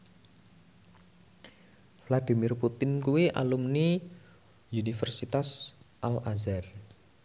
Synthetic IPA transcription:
flad̪i̤mɪrput̪ɪnkuwiʔa̰lumni | unifɛrsit̪asʔalazar

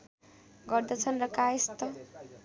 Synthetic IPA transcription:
ɡʌrd̪ʌt͡sʰʌnrʌkaest̪ʌ

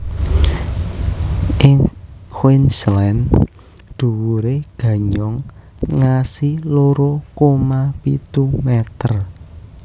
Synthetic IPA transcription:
ʔɪŋkʰwinslɛn | ɖ̪̥ṳwuɾeɡ̥ä̤ɲɔŋː | asiloɾokomapit̪umɛt̪ər

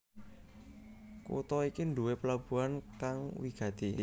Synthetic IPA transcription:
kṵt̪ɔikinduweplab̥ṳankaŋwiɡ̥a̤t̪i

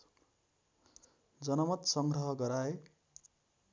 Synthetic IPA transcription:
d͡zʌnʌmʌt̪sʌŋɡɾʌɦʌɡʌɾae

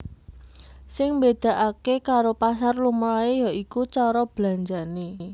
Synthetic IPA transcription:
sɪŋmbed̪̥a̤ʔakekaɾopasarlumɾaejɔʔikut͡ʃɔɾɔb̥la̤ɲd͡ʒane

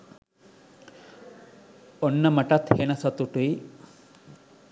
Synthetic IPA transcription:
onːɐmɐʈɐt̪henɐsɐt̪uʈuj

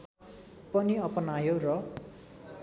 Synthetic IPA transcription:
pʌniʌpʌnajorʌ

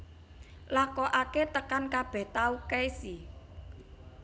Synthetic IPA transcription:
lakɔʔaket̪əkankab̥ɛ̤ht̪aukɛjsi

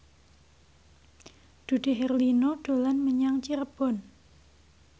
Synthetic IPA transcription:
d̪̥ṳɖ̪̥e̤ɦɛrlinoɖ̥o̤lanməɲaŋt͡ʃiɾəb̥ɔ̤n

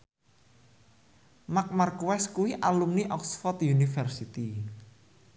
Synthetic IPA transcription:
mak̚markuwɛskuwiʔalumniʔɔksfɔrt̪junifərsit̪i

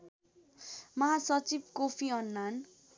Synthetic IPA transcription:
mʌɦasʌt͡sibkopʰiʌnːan

